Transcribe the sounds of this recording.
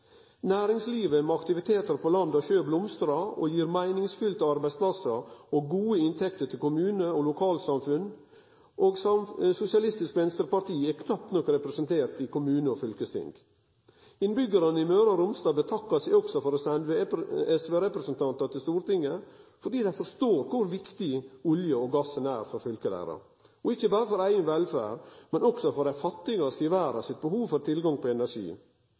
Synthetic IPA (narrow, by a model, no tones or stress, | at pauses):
næːɾɪŋsliːʋəmɛɑkt̪ɪʋɪt̪ʰeːt̪əɾpʰoːlɑnd̪ɑçøːblʊmst̪ɾɑo̰ːjiːɾmæɪnɪŋsfʏlt̪ɑɑɾbæɪspʰlɑsəoːɡuːəɪnt̪ʰɛkt̪əʈʰɪlkʰʊmʉːnəolʊkʰɑːlsɑmfʉn | ʔoːɡsɑsʊsɪɑlɪst̪ɪskʋɛnst̪əɾpɑɾʈ̪ʰiːɛkʰnɑpːnɔkɾɛpɾɛsənt̪ʰeːɾt̪ɪkʰʊmʉːnəɔfʏlkəst̪ʰɪ̰ŋɡ̥ | ɪnbʏɡəɾənəɪmøːɾɑɾʊmst̪ɑːbət̪ʰɑkːɑsæɪɔɡsɔfɔɾɔsɛnʋeɛsʋeːɾɛpɾəsənt̪ʰɑnt̪ɑt̪ɪlst̪uːɾt̪ɪŋːəfɔɖiːd̪æɪfɔɾʂt̪oːɾkʰʊɾʋɪkt̪ɪʊljəɔɡɑsːənæːɾfɔɾfʏlkəlæ̰ːɾɑ̰ | ɔɪçəbɑːɾəfɔɾæɪənʋɛlfæ̰ːɾmɛnɔksɔfɔɾæɪfɑt̪ːɪɡɑskɪʋæːɾɑ̰sɪt̪̚bəhuːʋfɔɾt̪ʰɪlɡɑŋpʰɔɛnæɾʂḭː